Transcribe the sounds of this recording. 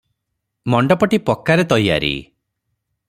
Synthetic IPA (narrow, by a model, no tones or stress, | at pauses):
mɔɳɖɔpɔʈipɔkːaɾet̪ɔja̰ɾḭ